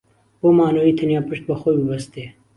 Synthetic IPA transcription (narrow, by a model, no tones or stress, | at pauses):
bomaːnoːiːt̪ʰɐnjaːpɨʃt̪̚bɐxoːjbəbɐst̪eː